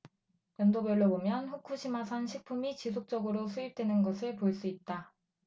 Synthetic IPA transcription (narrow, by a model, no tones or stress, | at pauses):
jʌndobjʌɭːobomjʌnɸukʰuɕʰimasʰanɕʰik̚pʰumit͡ɕisʰok̚t͡ɕ͈ʌɡɯɾosʰuip̚t͈we̞nɯnɡʌsʰɯɭpoɭs͈uit̚t͈a